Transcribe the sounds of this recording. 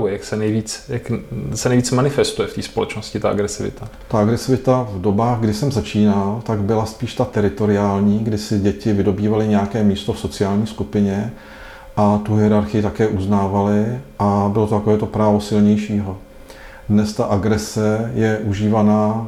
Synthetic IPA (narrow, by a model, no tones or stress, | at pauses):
ujɛjaksɛnɛjviːt͡sjaksɛnɛjviːt͡smanɪfɛst̪ujɛft̪iːspolɛt͡ʃnoscɪt̪aʔa̰ɡɾɛsɪvɪ̰t̪at̪aʔaɡɾɛsɪvɪt̪avdo̞baːɣɡdɪsɛmzat͡ʃiːnalt̪aɡbɪlaspiːʃt̪at̪ɛɾɪt̪o̞ɾɪaːlɲiːɡdɪsɪɟɛcɪvɪdo̞biːvalɪɲɛjakɛːmiːst̪ofso̞t͡sɪaːlɲiːskupɪɲɛ | ʔat̪uɦɪɛɾaɾxɪjɪt̪akɛːʔuznaːvalɪʔabɪlot̪ot̪akoɛːt̪o̞pɾaːvo̞sɪlɲɛjʃiːɦo̞ | dnɛst̪aʔaɡɾɛsɛjɛʔuʒiːvanaː